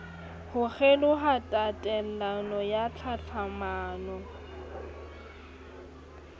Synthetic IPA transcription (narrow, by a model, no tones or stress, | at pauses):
hʊɣɛlʊɦatʼatʼɛl̩anɔjat͡ɬʰat͡ɬʰamaːnɔ